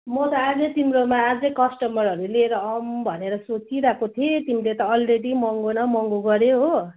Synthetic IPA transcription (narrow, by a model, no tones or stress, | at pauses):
mʌt̪ʌad͡zʌjt̪imɾomaːd͡zʌjkʌsʈʌmʌɾɦʌɾulieɾʌʌmbʱʌneɾʌsot͡siɾakot̪ʰet̪imilet̪ʌːlreɽimʌŋɡonʌmʌŋɡoɡʌɾjeɦo